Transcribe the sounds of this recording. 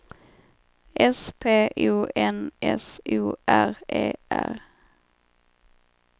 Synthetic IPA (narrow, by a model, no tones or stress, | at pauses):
ʔɛspʰeːʔʉːʔɛnʔɛsuːʔæʁʔeːʔæ̰ʁ